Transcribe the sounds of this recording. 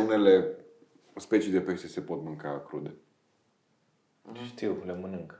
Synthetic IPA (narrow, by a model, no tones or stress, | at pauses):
une̞le̞ | spe̞t͡ʃijd̪epeʃt̪ese̞po̞t̪mɨŋkaːkɾud̪e | ʃt̪iwlemənɨŋk